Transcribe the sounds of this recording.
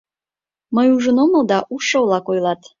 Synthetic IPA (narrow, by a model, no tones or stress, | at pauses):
məjuʒənoməlˠd̪ɑʔuʃowlˠɑkojlˠɑt̪